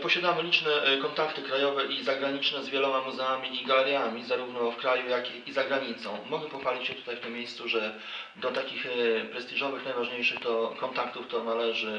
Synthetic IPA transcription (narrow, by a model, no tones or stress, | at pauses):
pɔɕad̪amɘlʲit͡ʂnɛkɔnt̪akt̪ɘkɾajɔvɛʔizaɡɾaɲit͡ʂnɛzvʲjɛlɔmamuzɛamʲiːɡalɛɾjamʲizaɾuvnɔfkɾajujakiizaɡɾaɲit̪sɔ̃w̃mɔɡɛpɔxfalʲit͡ɕɕɛt̪u̥t̪ajft̪ɘmʲːjejst̪suʐɛ | d̪ɔt̪akʲixpɾɛst̪ʲiʐɔvɘxnajvaʐɲejʂɘxt̪ɔkɔnt̪akt̪uft̪ɔnalɛʐɘ